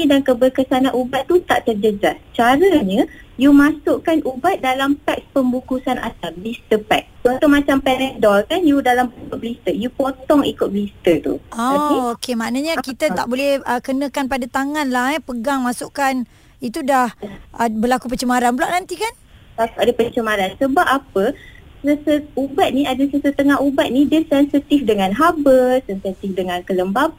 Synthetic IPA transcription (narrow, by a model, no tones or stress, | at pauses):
idankəbərkəsanãʔubat̪̚tːut̪aʔt̪ərd͡ʒəd͡ʒast͡ʃaɾəɲə̃ | jumasʊʔkanʔubat̪̚dalampɛk̚spəmbukusana̰t̪ablist̪əpɛk̚st͡ʃunt̪ʊʔ̚mat͡ʃampɛlɛndɔlkanjudalampəkʊt̪̚blist̪əjupot̪ɔŋikʊt̪̚blist̪ət̪ṵoaiokemanəɲəkit̪ət̪a̰ʔbolɛhəkənə̃kanpadat̪aŋanlaɦɛpəɡaŋmasuʔkan | it̪udahʔəbəlakup̬ət͡ʃəmaɾanbəlaʔnant̪ikan | lakuadapət͡ʃəmaɾansəbap̚apəsəsəubat̪̚niadasəsət̪əŋaɦubat̪̚nidəsɛnsit̪ifdəŋanɦabəsɛnsat̪ifdəŋankələmbab